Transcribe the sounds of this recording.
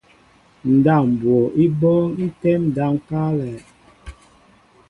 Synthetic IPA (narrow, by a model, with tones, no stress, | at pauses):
n̩˨da˦˨m˨bwo˨ʔi˦bɔ˦n̩˦tɛ˦m˨da˦ŋ˦ka˦lɛ˨